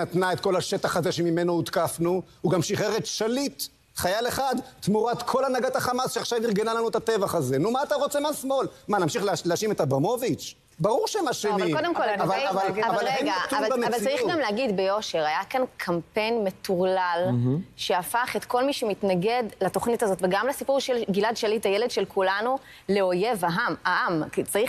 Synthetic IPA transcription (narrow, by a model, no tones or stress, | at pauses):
nat̪nae̞t̪ko̞laʃet̪aχaze̞ʃemime̞nout̪kafnu | uɡamʃiχeʁet̪ʃalit̪ | χajaleχad̪t̪muʁat̪kʰo̞lanaɡat̪aχamasʃeaχʃavniʁɡe̞nalanuet̪at̪evaχaze̞numaːt̪aʁot͡semasmo̞lmanamʃiχleleaʃime̞t̪abʁamo̞vit͡ʃ | baʁuʁʃeemaʃenalkod̪emkolaavaavalavavaaleɡaːvalavalt͡saʁiχɡamleaɡidbejo̞ʃe̞ʁajakankʰampe̞jnme̞tuʁlalʃe̞afaχe̞tko̞lmiʃemitnaɡe̞dlato̞χnitazo̞t̪veɡamlesipuʁʃelɡiladʃalitajeledʃelkʰulanu | le̞o̞je̞vaɦamaʔamkit͡saʁiχ